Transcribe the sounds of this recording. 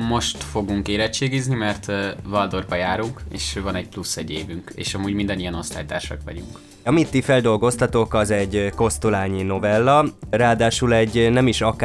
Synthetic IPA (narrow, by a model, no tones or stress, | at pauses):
mo̞ʃt̪fo̞ɡuŋkeːɾɛt͡ʃːeːɡiznimɛrt̪vɒld̪o̞rbɒjaːɾuŋkḛːʃøːvɒnɛɟ̚plusːɛɟḛːvyŋkḛːʃɒmuːɟmind̪ɛnijɛno̞st̪aːjt̪a̰ːrʃɒ̰kʋɒ̰ɟuŋk | ɒmit̪ːifɛld̪o̞lɡo̞st̪ɒt̪o̞kɒzɛɟko̞st̪ulaːɲino̞vɛlːɒraːd̪aːʃulɛɟnɛmiʃɒk